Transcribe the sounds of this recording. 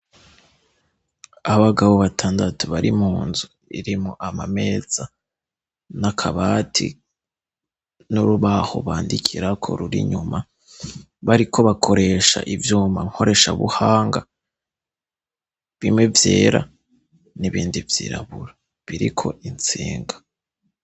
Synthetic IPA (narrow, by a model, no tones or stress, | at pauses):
aβaɡaβoβatʰaːndatuβaɾimuːnzu | iɾimoʔamame̞z̥a | nakʰaβaːtʰḭ | nuɾuβaho̞̰βaːndikʰiɾakʰo̞̰ɾuɾḭɲuma | βaɾikʰo̞βakʰo̞ɾe̞ʃa̰ʔivjuːma̰ŋ̥ho̞ɾe̞ʃaβṵhaːŋɡa | βimŋe̞vje̞ːɾa̰ | niβiːndivjiɾa̰βuɾa | βiɾikʰo̞int͡siːŋɡa